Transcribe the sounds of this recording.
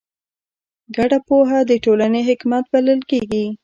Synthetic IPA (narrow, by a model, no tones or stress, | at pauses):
ɡaɽapoɦad̪əʈolaneɦɪkmat̪̚baləlkeɡi